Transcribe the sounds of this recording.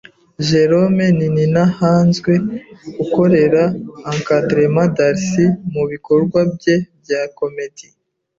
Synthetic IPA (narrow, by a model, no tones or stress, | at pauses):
ʒe̞ɾo̞me̞nininahaːnzɡwe̞ɡuko̞ɾe̞ɾaːŋkadɾemadaɾsimuβiko̞ɾɡwabje̞bjako̞mitʰi